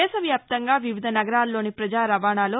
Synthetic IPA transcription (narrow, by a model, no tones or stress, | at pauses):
ɛːʃɐʋjaːp̚t̪ɐŋɡaːʋiʋid̪ʱɐnɐɡɐɾaːlːo̞ːnipɾɐd͡ʒaːɾɐʋaːɳaːloː